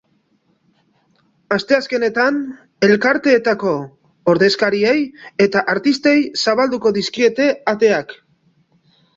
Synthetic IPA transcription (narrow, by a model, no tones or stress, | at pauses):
ast̪e̞aske̞ne̞t̪an | e̞lkaɾt̪e̞ːt̪ako̞ | oɾðe̞skaɾie̞je̞t̪aʔaɾt̪ist̪e̞jsaβald̪uko̞ðiskie̞t̪e̞at̪e̞ak